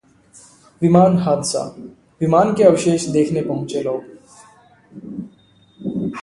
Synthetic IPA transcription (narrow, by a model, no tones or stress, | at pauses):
ʋimaːnɦaːd̪sa̰ː | ʋimaːnkeəʋʃeːʃd̪eːkʰnepɐɦʊ̃t͡ʃeloːɡ